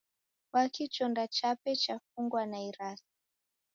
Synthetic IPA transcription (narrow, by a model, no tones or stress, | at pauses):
wakit͡ʃɔndat͡ʃapɛt͡ʃafuŋɡwanaiɾasi̥